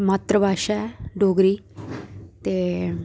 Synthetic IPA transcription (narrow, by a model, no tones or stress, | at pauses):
maːt̪ɾəbʱaːʃɛɖoːɡɾiː | t̪eː